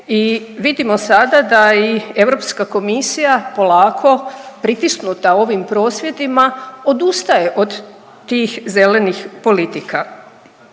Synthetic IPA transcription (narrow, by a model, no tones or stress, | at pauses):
iʋid̪imo̞sad̪ad̪aie̞ʋɾo̞pskako̞misijapo̞laːkʰo̞pɾit̪isnut̪ao̞ʋimpɾo̞ːsʋje̞d̪imao̞d̪ust̪aje̞ʔod̪ | t̪iːxze̞le̞nixpo̞lit̪ika